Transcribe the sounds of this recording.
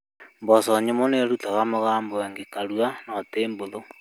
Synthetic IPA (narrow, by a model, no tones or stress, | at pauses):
mbɔsɔɲemoneɾutaɣamoɣaːmboeŋɡekaɾwanateːmboðo